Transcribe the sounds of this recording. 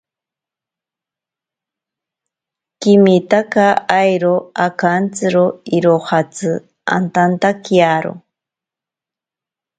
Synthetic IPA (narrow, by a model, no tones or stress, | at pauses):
kimit̪akaajɾoakant͡sɨɾoiɾohat͡sɨ | a̰nt̪ant̪akiaɾo̰